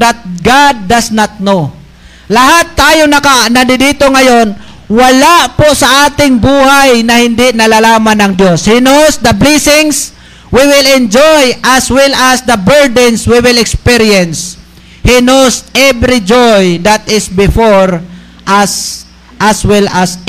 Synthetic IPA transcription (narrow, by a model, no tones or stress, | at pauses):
d̪at̪̚ɡad̪̚ːɐsnat̪̚no | laɦat̪ːaːjonɐkanɐd̪ɪdiːt̪oŋɐjon | wɐlaʔposɐʔaːt̪ɪŋbuːhajnɐhɪnd̪ɪʔnɐlalaːmanɐŋd̪joshinowsd̪ɐblɛsɪŋs | wiwɪlɛ̃nd͡ʒojʔaswɪlasd̪ɐbɛɹd̪ɛnswiwɪlɛkspɪɾiɛns | hinowsɛbɾɪd͡ʒojd̪at̪ɪsbɪfoɹ | ʔas | ʔaswɛlas